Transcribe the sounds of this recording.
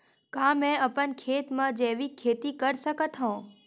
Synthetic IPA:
kãmɛ̃əpənkʰet̪mãd͡ʒeʋikʰːet̪ikəɾʃəkət̪ɦõ

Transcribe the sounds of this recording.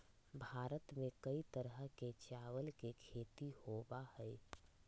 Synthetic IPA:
bʱaːɾət̪mẽkəit̪əɾɦəket͡ʃaːwəlkekʰeːt̪ihoːbahɛɛ

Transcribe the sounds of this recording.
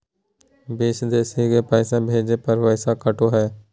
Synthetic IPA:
biːʃd̪eːsiːkeːpəːɪsãːbʱeːd͡ʒeːpəɾʋəːsaːkəʈoːɦɛː

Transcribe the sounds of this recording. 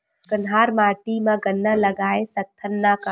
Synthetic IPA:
kənɦaːɾmaːʈimãɡənːəlɐɡaːesɐk̚t̪ʰːənːaka

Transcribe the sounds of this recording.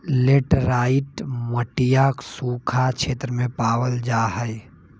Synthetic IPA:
leːʈɾaːɪʈməʈijaːksuːkʰakʃʰeːt̪ɾəmẽpaːwəld͡ʒaːɦəi

